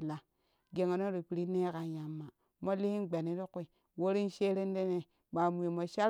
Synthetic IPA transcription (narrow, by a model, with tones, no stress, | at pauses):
la˨ | ɡe˨ŋo˨no˦ɾi˨pi˨ɾi˦ne˦ka˨ja˨mːa˨ | mo˦li˦hi˦ɡ͡be˨ni˦ɾi˦ku˦i˨ | wo˦ɾi˦n˦ʃe˦ɾe˦n˦de˦ne˨ | ma˨mu˨ji˨mo˨ʃa˦ɾ